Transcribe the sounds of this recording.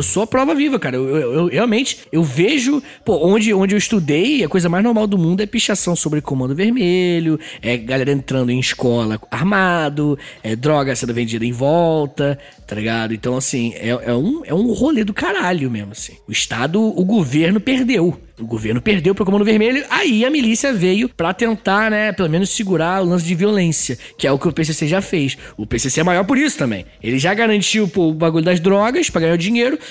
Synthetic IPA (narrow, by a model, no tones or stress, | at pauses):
ewsoɐpɾɔvɐvivɐkaɾɐewewewheawmẽnt͡ʃɪ̥ewveʒʊ | poõd͡ʒɪõd͡ʒɪewiʃt̪ud̪ejɐkojzɐmajznoɾmawd̪ʊmũnd̪ʊɛpiʃasɐ̃w̃sobɾɪkomɐ̃nd̪ʊveɾmelʊɛɡalɛɾɐẽnt̪ɾɐ̃nd̪ʊẽj̃ʃkɔlɐaɾmad̪ʊɛd̪ɾɔɡɐsẽnd̪ʊvẽnd͡ʒid̪ɐẽvɔwt̪ɐ | t̪aliɡad̪ʊẽnt̪ɐ̃w̃asĩɛ̰ɛũɛũholed̪ʊkaɾalʊmezmʊasĩ̥ʊiʃt̪ad̪ʊːɡoveɾnʊpeɾd̪ew | ʊɡoveɾnʊpeɾd̪ewpɾɐkomɐ̃d̪ʊveɾmeʎʊʔaiɐmilisiɐvejʊpɾɐt̪ẽnt̪anɛpelomẽnʊʃsiɡuɾaʊlɐ̃s̬ɪd͡ʒɪviolẽsiɐkɪɛʊkɪʊpes̬eseʒafejsʊpeseseɛmajɔɾpʊɾisʊ̥t̪ɐ̃mbḛ̃j̃elɪʒaɡaɾɐ̃nt͡ʃiwpobaɡuʎʊd̪ɐzd̪ɾɔɡɐspɾɐɡɐɲaɾʊd͡ʒĩɲejɾʊ